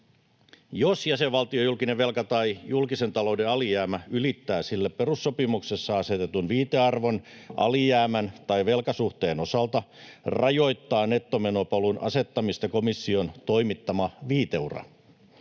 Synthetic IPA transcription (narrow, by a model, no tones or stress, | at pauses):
josjæseʋʋɑlt̪iojulkineʋʋe̞lkɑt̪ɑijulkise̞nt̪ɑlo̞ude̞ɑlijæːmæylit̪ːæːsilːæpperusːo̞pimuksesːɑɑse̞t̪et̪unʋiːt̪eɑrʋo̞nʔɑ̰lijæːmænt̪ɑiʋe̞lkɑsuht̪e̞ːno̞sɑlt̪ɑrɑjo̞jt̪ːɑːne̞t̪ːomenopɑlunɑ̰se̞t̪ːɑmist̪ɑko̞misːio̞nt̪o̞imit̪ːɑmɑʋiːt̪e̞urɑ̰